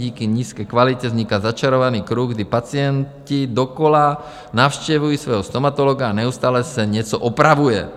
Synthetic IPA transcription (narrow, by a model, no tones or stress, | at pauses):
iːkiɲiːskɛjkʋalicɛzɲikazat͡ʃaɾɔʋaniːkɾuːɣɡd̪ipat͡sɪɛn | cid̪ɔkɔla | naʊʃcɛʋujisʋɔjɦɔst̪ɔmat̪ɔlɔɡaːɲɛust̪aːlɛsɛɲɪɛt͡sɔʔɔpɾaʋujɛ